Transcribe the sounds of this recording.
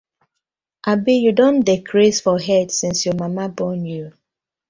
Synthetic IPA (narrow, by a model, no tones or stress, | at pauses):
ʔabijudõndekʰɹisfɔɦɛdsĩnsjɔmamabɔnju